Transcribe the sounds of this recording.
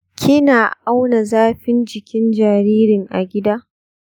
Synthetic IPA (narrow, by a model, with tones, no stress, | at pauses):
kʲʰɪ˦naː˨ʔa˦wna˨zaː˦ɸɪ˦nd͡ʒɪ˨kʲɪ˦nd͡ʒaː˨ɾiː˦ɾɪ˨ŋʔa˨ɡʲɪ˦daː˦